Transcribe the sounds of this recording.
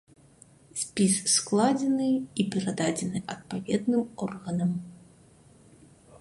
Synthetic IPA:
sʲpʲisːklˠad͡zʲɛnɨipʲɛɾad̪ad͡zʲɛnɨʔɐt̪̚pavʲɛd̪nɨmɔrɣɐnɐm

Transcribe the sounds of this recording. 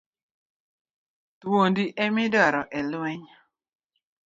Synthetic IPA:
t̪wondiʔɛmɪdɔɾɔʔɛlwɛɲ

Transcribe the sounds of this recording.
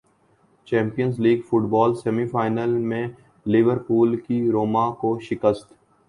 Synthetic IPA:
t͡ʃɛ̃ːmpijənzliːɡfʊʈbɔːlsɛːmifaːɪnəlmẽ | lɪʋəɾpuːlkiɾoːmakoʃɪkəst̪

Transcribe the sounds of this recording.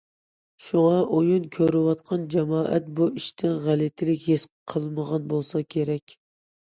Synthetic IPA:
ʃuŋɑʔojunkʲʰøɾɪwɑt̪̚qʰɑnd͡ʒɛmɑːʔɛt̪̚buʔiʃt̪ʰɪnʁælɪt̪ʰɪlɪkʲhesqʰəlˠməʁɑnbolˠsɑkʲʰeɾɛkʲ

